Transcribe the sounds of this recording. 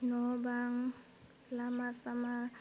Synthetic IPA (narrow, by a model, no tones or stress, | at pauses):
nɔbaŋ̩ | lamasama